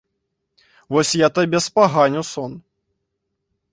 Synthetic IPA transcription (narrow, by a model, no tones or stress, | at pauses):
vɔsʲjat̪abʲɛspaɣanʲusɔn